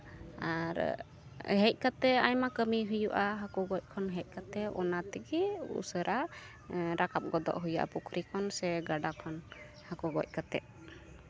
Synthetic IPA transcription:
aɾ | ɦɛc̚ˀkat̪ɛajmakəmiɦujuʔaɦakɔɡɔc̚ˀkʰɔnɦɛc̚ˀkat̪ɛɔ̰nat̪ɛɡɛṵsəɾʔa | ɾakap̚ɡɔd̪ɔ̰ʔɦujuʔa̰pukʰɾikʰɔnsɛɡaɖakʰɔn | hakɔɡɔ̰c̚ˀkat̪ɛʔ

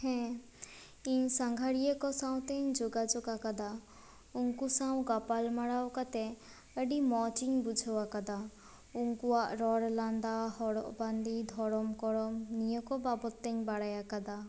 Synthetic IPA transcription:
hɛ̃ | iɲsaŋɡʱaɽijekɔsãw̃t̪ɛɲd͡ʒoɡad͡ʒoɡakad̪a | uŋkusaw̃ɡapalmaɽawkat̪ɛ | əɖimɔt͡ʃiɲbud͡ʒʱɔwakad̪a | uŋkuaʔɾɔɽland̪ahɔɽɔ̰ʔband̪id̪ʱɔɾɔmkɔɾɔmnijɔkɔbabɔt̪ːɛɲbaɽajakad̪a

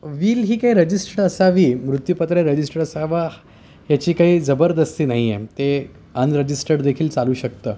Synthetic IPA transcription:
ʋiːlɦiːkaiːɾəd͡ʑisʈəɽəsaʋiːmɾut̪jupət̪ɾeɾəd͡ʑisʈəɾəsaʋa | ɦjat͡ɕiːkaɦiːd͡zəbəɾd̪əst̪iːnaɦijet̪e | ənɾəd͡ʑisʈəɽd̪ekʰiːlt͡saluːɕək̚t̪əː

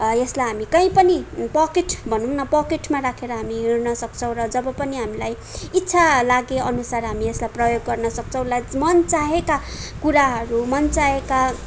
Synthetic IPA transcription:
eslajɦamikʌĩpʌnipʌkeʈbʱʌnunʌpʌkeʈmaɾakʰeɾʌɦamiɦirnʌsʌk̚t͡sʰʌ̃w̃rʌd͡zʌbʌpʌniɦamilaj | itːsʰalaɡeʌnusarɦamieslajprʌjoɡːʌrnʌsʌk̚t͡sʰʌ̃w̃lamʌnt͡saɦekakuɾaɦʌɾumʌnt͡saɦeka

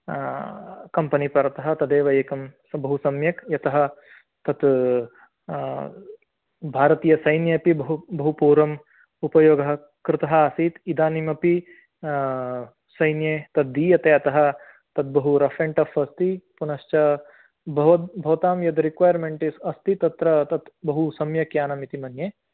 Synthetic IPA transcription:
kɐmpɐnipɐɾɐt̪ɐɦɐ̆t̪ɐd̪eːʋɐjɐkɐmsbɐɦusɐmjɐkjɐt̪ɐɦɐ̆ | t̪ɐt̪ | bʱaːɾɐt̪iːjɐsɐjnjɐpibɐɦubɐɦupuːɾɐm | upɐjoːɡɐɦɐ | kɾɪt̪ɐɦɐɐsiːt̪id̪aːnimɐpi | sɐjnjeːt̪ɐt̪̚d̪iːjɐt̪eɐt̪ɐɦɐ̆ | t̪ɐt̪̚bɐɦuɾɐfɾeɳʈɐfɐst̪ipunɐʃt͡ʃɐ | bɐʋɐt̪̚bʱɐʋɐt̪aːmjɐt̪ɾikʋaːjɐɾmeɳʈisɐst̪it̪ɐt̪ɾɐt̪ɐt̪bɐɦusɐmjɐkjaːnɐmit̪imɐnjeː

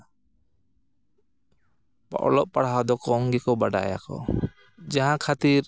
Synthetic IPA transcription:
paʔɔ̰lɔʔ̚paɽaɦad̪ɔkɔŋɡɛkɔbaɖa̰ja̰kɔ̰ | d͡ʒaɦãkʰat̪iɾ

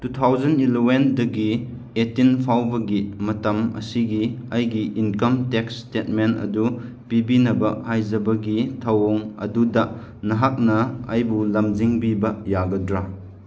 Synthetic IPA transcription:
tutʰawzɐnilowendɐɡi | etːinpʰawbɐɡimɐtɐmɐ̰siɡiɐjɡiʔinkɐmtekstet̚mentɐ̰du | pibinɐbɐhajzɐbɐɡitʰɐwoŋɐ̰dudɐ | nɐɦak̚nɐɐjbulɐmziŋbibɐjaɡɐdɾa

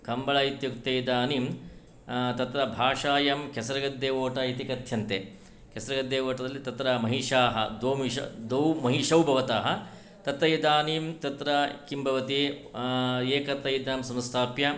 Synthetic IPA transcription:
kɐmbɐɭɐit̪jukt̪ejd̪aːnim | t̪ɐt̪ɾɐbʱaːʂaːjɐmkesɐɾɐɡɐd̪ːeːʋoːʈɐit̪ikɐt̪ʰjɐnt̪e | kesɐɾɐɡɐd̪ːeːʋoːʈɐd̪ɐlːit̪ɐt̪ɾɐmɐɦiʂaːɦɐ̰d̪oːmiʃɐ̰d̪ɐwmɐɦiʂɐwbʱɐʋɐt̪aːɦɐ | t̪ɐt̪ɾɐjid̪aːniːmt̪ɐt̪ɾɐkimbʱɐʋɐt̪i | eːkɐt̪ɐjd̪aːmsɐmst̪ʰaːpjɐ

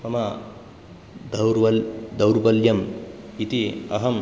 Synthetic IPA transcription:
ɐmɐ | d̪ɐɾd̪ɐwɾbɐljɐmit̪iɐ̰ɦɐm

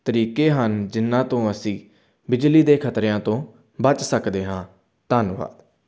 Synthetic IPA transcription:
t̪əɾiːkeːɦənd͡ʒɪnːãːt̪õːəsĩː | bɪd͡ʒliːd̪eːkʰət̪ɾejãːt̪õː | bət͡ʃsəkd̪eːɦãː | t̪aːnʋa̰ːd̪

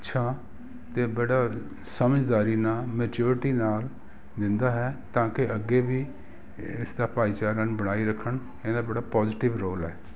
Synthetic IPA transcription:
ɪtːʃʰaː | t̪eːbəɽaː | səməd͡ʒd̪aːɾiːnaːmɛːt͡ʃuːɾɪʈiːnaːl | d̪ɪ̃nd̪aːɦɛːt̪ãːkɪʔəɡeːbiː | ɪsd̪aːpaːiːt͡ʃaːɾənbəɽ̃aːiːɾəkʰːəɳ | ed̪aːbəɽaːpɔːzɪʈɪʋɾoːlɛ̰ː

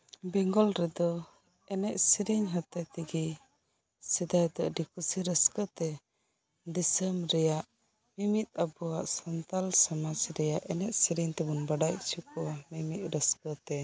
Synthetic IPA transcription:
bɛŋɡɔlɾɛd̪ɔ | ɛnɛʔsiɾiɲɦət̪at̪iɡi | sid̪ajd̪ɔʔɖikusiɾəskət̪ɛ | disəmɾɛjaʔ | mimit̪̚abɔwaʔsɔnt̪alsamasɾɛjaʔɛnɛʔ̚siɾiɲt̪ɛbunbaɖajt͡ʃukɔamimiʔ̪̚ˀɾəskət̪ɛ

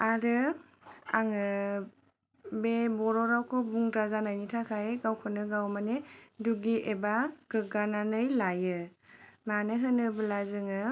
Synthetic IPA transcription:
aɾɯ | aŋɯ | bebɔɾɔɾawkʰɔbuŋdɾazanajnitʰakʰajɡawkʰɯnɯɡawmaneduɡiʔebaɡ̥ɯɡananɯjlajɯmanɯɦɯnɯbɯlazɯŋɯ

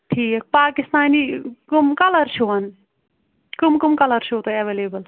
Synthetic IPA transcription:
ʈʰiːkɐk̚paːkist̪aːnikumkɐlɐɾt͡ʃʰuɐn | kumkumkɐlɐɾt͡ʃʰut̪ɐɐʋeːleːbɐl

